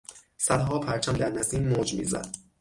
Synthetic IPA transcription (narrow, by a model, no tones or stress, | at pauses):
sæd̪ɦɒːpʰæɾt͡ʃʰæmd̪æɾnæziːmːoːd͡ʒmḭːzæ̰d̪̥